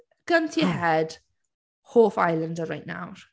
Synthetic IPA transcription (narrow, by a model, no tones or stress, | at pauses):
ɡ̥əntʰihɛd̥ | hoːfajlˠə̃ndəɹajʔna̰wr